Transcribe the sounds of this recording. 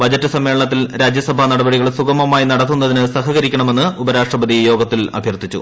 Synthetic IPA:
bɐd͡ʑɐtːɨsɐmːe̞ːɭɐɳɐt̪̬ːilɾaːd͡ʑjɐsɐbʱɐnɐɽɐbɐɽiɣɐɭsuɡɐmɐmaːjinɐɽɐt̪ːunːɐðinɨsɐɦɐɣɐɾikʲːɐɳɐme̞nːɨubɐɾaːʂʈrɐbɐd̪ijo̞ːɡɐt̪ːilɐ̰bʱjɐrt̪ːit͡ɕːṵ

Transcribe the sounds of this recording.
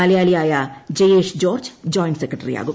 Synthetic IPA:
alɐjaːlijaːjɐd͡ʑejeːʂd͡ʑo̞ːrd͡ʑd͡ʑoːjnsekrɐʈːɐrḭja̰ːɣum

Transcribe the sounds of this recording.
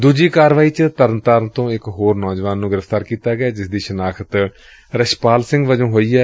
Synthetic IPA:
d̪uːd͡ʒiːkaːɾʋaːiːt͡ʃt̪əɾnt̪əɾnt̪õːɪkɦoːɾnɔːd͡ʒʋaːnːũːɡɪɾəft̪aːɾkiːt̪aːɡaːd͡ʒɪsd̪iːʃənaːkʰət̪ | ɾəʃpaːlsɪ̃ŋɡʋəd͡ʒõːɦoːiːɛː

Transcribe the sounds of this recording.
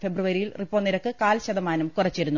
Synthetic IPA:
fe̞bruʋɐɾijilripːoːniɾɐkːɨkaːlɕɐd̪ɐmaːnumkurɐt͡ɕːeɾunːu

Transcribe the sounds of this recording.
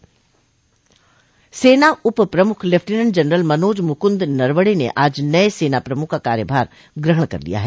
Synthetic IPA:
seːnaʔʊppɾɐmʊkʰlepfʰʈinənd͡ʒɐnɾəlmɐnoːd͡ʒmʊkʊ̃nd̪nɐɾʋəɽinḛʔaːd͡ʒnɐeseːnapɾɐmʊkʰakaːɾjəbʱaːɾ | ɡɾɪɦəɳ̃kɐ̰ɾlḭja̰ɦɛː

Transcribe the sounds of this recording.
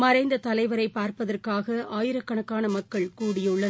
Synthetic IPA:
mɐɾɐɪnd̪ɐt̪ɐlɐɪʋɐɾɐɪpːaːɾpɐðɐrkaːɣɐʔaːjɪɾɐkːɐɳɐkːaːnɐmɐkːɐɭkuːɽɪjɯɭːɐ

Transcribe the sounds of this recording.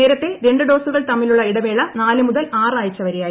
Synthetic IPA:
eːɾɐt̪ːe̞ɾe̞ɳɖɨɖo̞ːsuɣɐɭt̪ɐmːiluɭːɐiɽɐmeːɭɐnaːlɨmuðɐlaːraːjit͡ɕːɐʋɐɾejaːi

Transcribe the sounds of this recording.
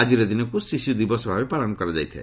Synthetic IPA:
ad͡ʒiɾɔd̪inɔkusisid̪ibɔsɔbʱabepɾaɭɔnɔkɔɾɔd͡ʒa̰jt̪ʰḛ

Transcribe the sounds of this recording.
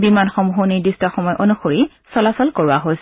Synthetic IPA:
bimanxɔmɦoniɹdistaxɔmɔjʔɔnuxoɹi | sɔlasɔlkoɹʊaɦos

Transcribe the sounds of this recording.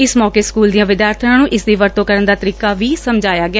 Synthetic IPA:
ɪsmɔːkeːskuːld̪ijãːʋɪd̪jaːɾt̪ʰəɾãːnũːʔɪsd̪iːʋəɾt̪õːkəɾənd̪aːt̪əɾiːkaːʋiːsəmd͡ʒʱaːjaːɡɪaː

